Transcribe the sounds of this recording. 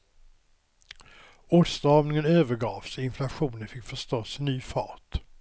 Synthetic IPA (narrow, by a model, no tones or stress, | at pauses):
oːʈst̪ɑːvnɪŋənøːvəɾɡɑːfsɔɪnflaɧuːnənfɪkːfœʂt̪oːsnːyːfɑ̰ːʈ